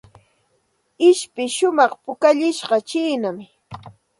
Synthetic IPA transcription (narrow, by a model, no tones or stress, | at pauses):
ɪʃpɪʃʊmɑχpʊkaʎɪʃɢɑt͡ʃiːnam